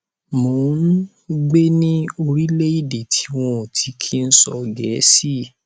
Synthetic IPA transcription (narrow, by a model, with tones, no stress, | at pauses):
mo˨˦n̩˦ | ɡ͡be˦nĩ˦o˧ɾi˦le˦i˦˨de˨tʰi˨˦w̃ɔ̃˦˧˨tʰi˨˧˦kʰi˦n̩˦sɔ˧ɡɛː˨˦si˦˨